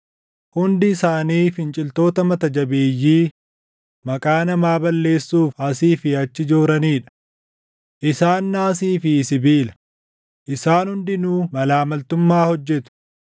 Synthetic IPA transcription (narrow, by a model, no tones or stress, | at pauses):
hʊnd̪ɪːsaːniːfɪnt͡ʃʼɪlt̪o̞ːt̪ɐmɐt̪ɐd͡ʒɐbeːjːiː | mɐkʼaːnɐmaːbɐlːe̞ːsːuːfɐsiːfɪɐt͡ʃːɪd͡ʒoːɾɐniːᶑɐ̥ | ʔɪsaːnːaːsiːfɪsɪbiːlɐ̥ | ʔɪsaːnhʊnd̪ɪnuːmɐlaːmɐlt̪ʊmːaːhɔd͡ʒːɛt̪ʊ̥